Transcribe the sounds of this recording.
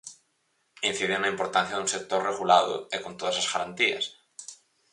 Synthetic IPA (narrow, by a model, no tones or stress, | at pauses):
in̟θiðeŋnːaimpo̞ɾt̪anθjaðũnsek̚t̪oɾreɣ̞ulaðo̰ekont̪oðasazɣaɾant̪ia̰s